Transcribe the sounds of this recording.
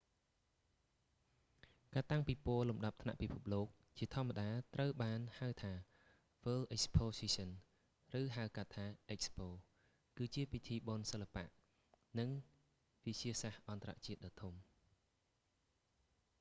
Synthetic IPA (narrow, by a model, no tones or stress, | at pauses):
kaːt̪aŋpiːpʊəlumɗɑp̚t̪ʰna̰ʔpipʰup̚loːk̚ | t͡ɕiət̪ʰŏəmːaɗaːt̪rəwɓaːnhaəwt̪ʰaː | fəlʔɛk̚spʰoːsisən | rɨːɦaəwkat̪ʰːaːʔɛk̚spoː | kɨːt͡ɕiəpit̪ʰiːɓonsəlːapa̰ʔ | nɨŋ | ʋɨt͡ɕiəsahʔɑnt̪əra̰ʔt͡ɕiət̪̚ɗɑːt̪ʰum